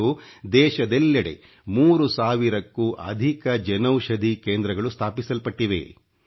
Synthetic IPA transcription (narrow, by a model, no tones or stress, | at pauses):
ud̪ɛːʃɐd̪ɛlːɐɽe̞̰ | muːɾusaːʋiɾɐkːuːʔɐ̰d̪ʱikɐd͡ʒɐnɐwʃɐd̪ʱikeːnd̪ɾɐɡɐɭust̪ʰaːpisɐlpɐʈːiʋḛ